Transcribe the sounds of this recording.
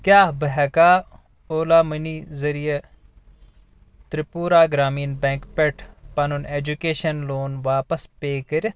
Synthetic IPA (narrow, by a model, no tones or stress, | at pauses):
kʲjaːbɐɦɐkaː | oːlaːmɐniːzɐɾije | t̪ɾipuːɾaːɡɾaːmiːnbɛ̃ːŋkpeʈʰpɐnuneːd͡ʒukeːʃɐnloːnʋaːpɐspeːkəɾʲ